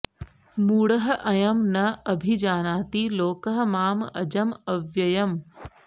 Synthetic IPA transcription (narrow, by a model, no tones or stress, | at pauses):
muːɽɐɦʔɐjɐmnɐɐbʱid͡ʑaːnaːt̪iloːkəɦə̆maːmɐd͡ʑɐmɐʋjɐjɐm